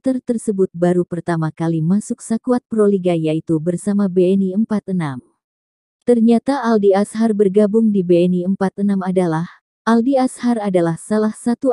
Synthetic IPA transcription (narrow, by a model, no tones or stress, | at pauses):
t̪ərt̪ərsəbʊt̪̚baɾupərt̪amakalimasʊk̚sakuat̪̚pɾoliɡajait̪ubərsamabeɛniəmpat̪ənam | t̪ərɲat̪aːldiasharbərɡabʊŋdibeɛniəmpat̪ənamadalah | ʔaldiasharadalahsalahsat̪u